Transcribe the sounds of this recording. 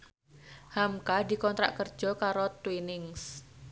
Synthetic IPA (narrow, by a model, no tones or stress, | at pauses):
hamkadi̤kɔnt̪ɾa̰ʔkər̥d͡ʒ̥ɔ̤kaɾot̪winɪŋs